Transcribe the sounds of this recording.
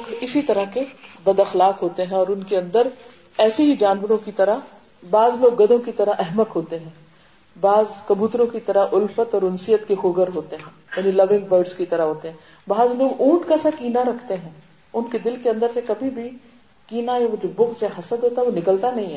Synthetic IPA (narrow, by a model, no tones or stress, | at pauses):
ɡɪsit̪ɐɾaɦkebɐd̪ɐxlaːqɦoːt̪eɦɛ̃ɔːɾʊnkeɐ̃nd̪əɾ | ɛːseɦid͡ʒaːnʋəɾõkit̪ɐɾaɦ | baːzloːɡːɐd̪õkit̪ɐɾaɛɦmət̪ɦoːt̪eɦɛ̃ː | baːzkɐbuːt̪ɾõkit̪ɐɾaʔʊlfət̪ɔːɾʊnsijət̪kexʊːɡəɾɦoːt̪eɦɛ̃ː | jaːnilɐʋɪ̃ŋɡbəɾɖskit̪ɐɾaɦoːt̪eɦɛ̃ː | baːzloːɡũːʈkasakiːnaɾɐkʰt̪eɦɛ̃ː | ʊnked̪ɪlkeɐ̃nd̪əɾsekɐbʱibʱi | kiːnajaʋod͡ʒobʊɡseɦɐsəd̪ɦoːt̪aɦɛʋonɪkəlt̪anɐɦĩɦɛː